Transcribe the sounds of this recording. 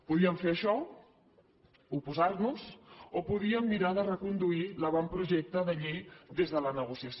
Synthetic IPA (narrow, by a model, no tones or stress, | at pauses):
puðiəɱfeɾəʃɔ | upuzaɾnuz̥opuðiəmːiɾaðərəkund̪uiləβ̞ɔmpɾuʒɛk̚t̪əðəʎejd̪ezðələnəɣusiəs